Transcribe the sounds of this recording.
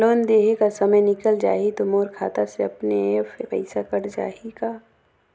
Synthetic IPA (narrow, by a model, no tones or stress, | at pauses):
loːnd̪eːɦekasɐməjnɪkəld͡ʒa̰ːit̪omoːɾkʰa̰ːt̪aseɐpnefpɛ̰ɪsakɐɽd͡ʒa̰ːikaː